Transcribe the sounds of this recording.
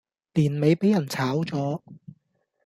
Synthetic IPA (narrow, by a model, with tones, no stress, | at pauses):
liː˨˩nme˨˧jpe˨˥jɐ˨˩nt͡sʰaː˨˥wt͡sɔː˨˥